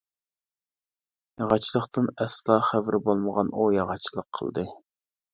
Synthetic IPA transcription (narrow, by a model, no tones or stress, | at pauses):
jɑʁɑt͡ʃʰilˠəχt̪ɨnɛslˠɑχævɾɪbolˠməʁɑnujɑʁɑt͡ʃʰilˠəqʰːə̰lˠd̪ɨ